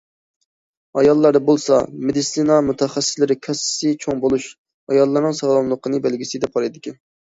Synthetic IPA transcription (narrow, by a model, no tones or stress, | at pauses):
ɑjɑlˠːɑɾd̪ɑbolˠsɑmed̪isinɑmut̪ʰɛχæsːɪslɪɾɪkʲʰɛsɪ̥sɪt͡ʃʰoŋbolˠuʃ | ɑjɑlˠːɑɾnɨŋsɑʁlˠɑnlˠəqʰənɨbɛlɡʲisɪd̪ɛp̚qʰɑɾɨd̪ɪkʲɛn